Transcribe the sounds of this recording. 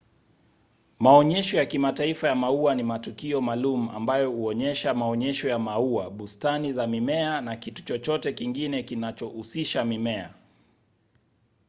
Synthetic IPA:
maɔɲɛʃɔjakimataifajamauanimatukiɔmalumua̰mbajɔhuɔɲɛʃamaɔɲɛʃɔjamauaɓustanizamimɛanakitu̥t͡ʃɔt͡ʃɔtɛkiŋɡinɛkinat͡ʃɔʔusiʃamimɛa̰

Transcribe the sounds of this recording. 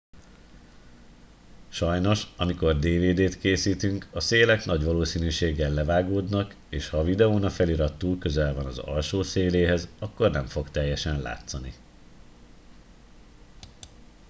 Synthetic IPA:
ʃɒjno̞ʃɒmiko̞rd̪eːveːd̪eːt̪keːsiːt̪yŋkɒseːlɛknɒɟʋɒloːsiːnyːʃeːɡɛlːɛvaːɡoːd̪nɒk | eːʃhɒvid̪ɛoːnɒfɛliɾɒt̪ːulkø̞zɛlvɒnɒzɒ̰lʃoːseːleːɦɛzɒkːo̞rnɛɱfo̞kt̪ɛjːɛʃɛnla̰ːt̪sɒni

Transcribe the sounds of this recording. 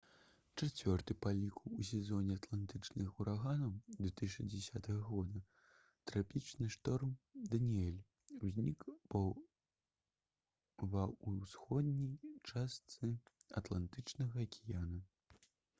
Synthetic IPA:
t͡ʂat͡sʲvʲɔrt̪ɨpalʲikus̬ʲɛzɔnʲɛat̪lˠant̪ɨt͡ʂnɨxuɾaɣanɐwd̪vʲɛt̪ɨʂɐd͡zʲɛsʲat̪ɐɣɐɣɔd̪ɐ | t̪ɾapʲit͡ʂnɨʂt̪ɔrmd̪ɐnʲiɛlʲ | uzʲnʲikpɐ | vɐusxɔd̪nʲijt͡ʂast̪sɨɐ̰t̪lˠant̪ɨt͡ʂnɐɣɐːkʲijanɐ

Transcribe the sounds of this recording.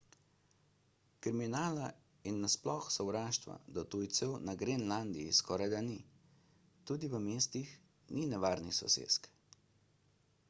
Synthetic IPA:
kɾiminaːla | inːasplɔxsɔwɾaːʃt̪ʋa̰d̪ɔt̪ujt̪sɛwnaɡɾenland̪iːskɔːɾajd̪ani | t̪uːd̪iʋəmeːst̪ix | ninɛʋaːɾnisɔ̰sḛːsk

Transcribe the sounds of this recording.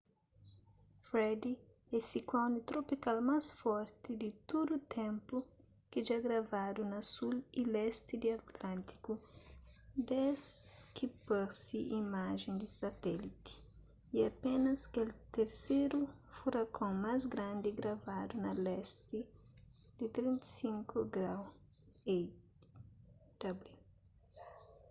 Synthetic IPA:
fɾɛd̪i | ɛsiklɔ̃nit̪ɾopikalmasfɔɾt̪ɪd̪ɪt̪od̪ut̪ʰẽmpu | kɪʒaɡɾɐvad̪unɐsulilɛst̪ɪd̪iɐt̪lãnt̪i̥ku | d̪ɛskipɛɾsiʔimaʒẽnd̪ɪsɐt̪ɛlit̪i̥ | iɐpẽnɐskelt̪eɾseɾufuɾɐkʰõŋmazɡɾãnd̪ɪɡɾɐvad̪unɐlɛst̪ɪ | d̪̥ɪt̪ɾĩnt̪ɐ̥sĩŋkuɡɾaw | ej | d̪̥ɐbli

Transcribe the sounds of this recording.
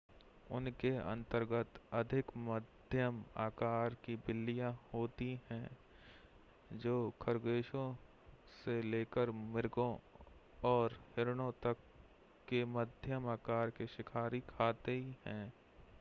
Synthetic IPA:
ʊ̰nkeɐ̰̃nt̪əɾɡət̪ɐd̪ʱɪkməd̪ʱjəma̰ːkaːɾkibɪlːijãhoːt̪iɦɛ̃ | d͡ʒoːkʰəɾɡeːʃõ | seleːkəɾmɪɾɡõ | ɔːɾhɪɾɽ̃õt̪əkː | eməd̪ʱjəmaːkaːɾkeʃɪkʰaːɾikʰaːt̪eɦihɛ̃ː

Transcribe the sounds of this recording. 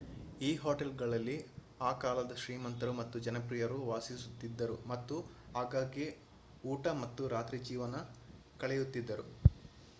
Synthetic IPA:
iːɦoːʈelɡɐɭɐlːi | aːkaːlɐd̪ɐʃɾiːmɐnt̪ɐɾumɐt̪ːud͡ʒɐnɐpɾijɐɾuʋaːsisut̪ːid̪ːɐɾumɐt̪ːu | ɦaːɡaːɡi | uːʈɐmɐt̪ːuɾaːt̪ɾid͡ʒiːʋɐnɐ | kɐɭɛjut̪ːid̪ːɐɾu

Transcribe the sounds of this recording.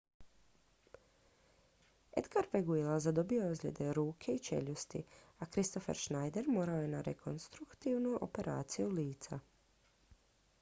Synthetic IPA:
ḛd̪ɡaɾfeɡuilazad̪o̞bioozlʲed̪e̞ɾuːkʰe̞it͡ʃe̞̰ʎust̪ḭakɾist̪o̞fe̞̰ɾʃnajd̪e̞ɾmoːɾaoje̞naɾekʰonst̪ɾukt̪iʋnuʔo̰pe̞ɾʔa̰ːt̪sijuliːt̪sa

